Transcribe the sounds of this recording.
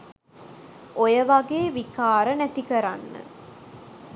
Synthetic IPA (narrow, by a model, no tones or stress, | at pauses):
ʔojəʋaɡeːʋikaːɾənæt̪ikɐɾanːə̰